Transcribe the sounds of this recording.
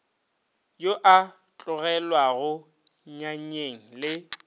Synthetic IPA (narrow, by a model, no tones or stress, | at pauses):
joʔa | t͡ɬʼʊɣɛlwaɣʊ | ɲaɲeŋ̩lɪ